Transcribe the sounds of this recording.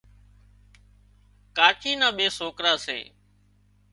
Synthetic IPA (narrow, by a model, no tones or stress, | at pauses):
kaːt͡ʃʰiːnãːɓeːsoːkɾaːsḛː